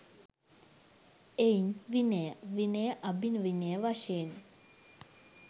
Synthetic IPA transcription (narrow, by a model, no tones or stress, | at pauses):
einʋinejəʋinejəʔabinʋinejəʋaʃeːn